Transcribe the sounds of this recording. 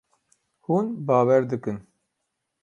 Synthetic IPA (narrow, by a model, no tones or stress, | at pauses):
huːnbaːwɛɾd̪ɨkɨn